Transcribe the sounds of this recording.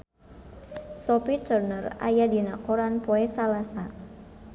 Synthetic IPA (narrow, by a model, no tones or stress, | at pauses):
sɔpit͡ʃərnəra̰jadinakoɾanpoɛsalasa